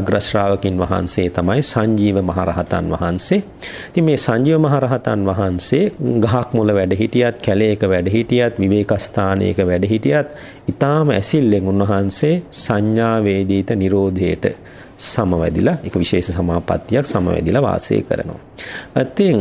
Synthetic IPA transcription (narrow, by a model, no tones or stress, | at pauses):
ɡɾaʃɾaːʋəkinʋɐɦa̰nseːt̪amajsaɲd͡ʒiːʋəmɐɦa̰ɾa̰ɦɐt̪a̰nʋɐ̰ɦanseː | i̥t̪iŋmeːsaɲd͡ʒiːʋəmɐɦaɾaɦat̪anʋaɦanseːɡaɦakmuləʋæɖəɦiʈijat̪̚kæleekəʋæɖəɦiʈijat̪ʋiʋeːkast̪ʰaːnḛːkəʋæɖəɦiʈijat̪ | it̪aːməɛsilːeŋunʋɐɦanseːsaɲːaːʋeːd̪iːt̪əniɾoːd̪ʱejəʈə̰ | saməʋɛ̰d̪ḭlaekəʋiʃeːʃəsamaːpa̰t̪ːijaksamə̰ʋɛ̰d̪ilaʋa̰ːsḛːkə̰ɾə̰no̰ʋa̰t̪ːeŋ